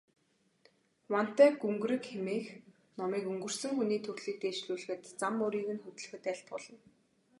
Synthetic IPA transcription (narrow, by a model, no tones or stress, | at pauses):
wan̥t̪æːɡɵŋɡɾɘ̆kxemiːx | nɔmiːkɵŋɡɵ̆r̥sɘ̆ŋxuniːt̪ʰɵrɮiːk̚t̪eːʃɮuːɮ̆xɘ̆t̪t͡samːʊɾiːɣɘ̆nxɵt̪ɘ̆ɮxɘ̆t̪æɬt̪pɔɮɞ̆n